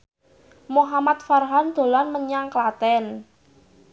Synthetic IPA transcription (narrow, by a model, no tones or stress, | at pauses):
moɦamat̪̚farɦand̪̥o̤lanməɲaŋklat̪ɛn